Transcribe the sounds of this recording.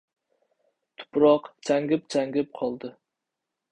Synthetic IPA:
t̪ʰʊ̥pɾɑqt͡ʃʰæŋɡʲɪp̚t͡ʃʰæŋɡʲɪp̚qʰɒlˠd̪ɨ

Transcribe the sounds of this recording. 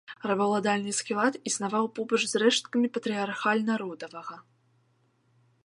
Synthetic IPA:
rɐbɐwlˠad̪alʲnɨskʲilˠat̪isnavawpɔbɐt͡ʂzrɛʂt̪kɐmʲipɐt̪ɾʲiarxalʲnaɾɔd̪ɐvɐɣɐ

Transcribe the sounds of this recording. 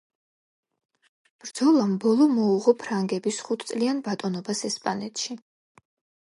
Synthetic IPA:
b̥ɾd̪zɔlˠambɔlˠɔmɔuʁɔpʰɾaŋɡɛbisχut̪ʰsʼlianbat̪ʼɔnɔbasɛspʼanɛt̪ʰʃi

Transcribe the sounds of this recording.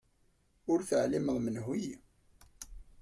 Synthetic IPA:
ʊɾθəʕliməðˤmənɦij

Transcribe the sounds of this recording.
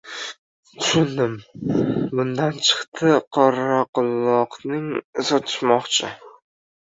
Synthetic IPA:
t̪ʰʊʃʊnd̪ɪm | bʊnd̪ant͡ʃʰɨ̥χt̪ʰɪqʰɒɾaqʊlˠːɒqnɪŋɪzɒt̪ʰɪ̥ʃmɒqt͡ʃʰɪ

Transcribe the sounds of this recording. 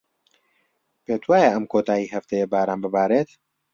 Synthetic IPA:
peːt̪waːjaʔɐmkʰoːt̪ʰaːjiːhɐft̪ɐjebaːɾaːmbɨbaːɾeːt̪

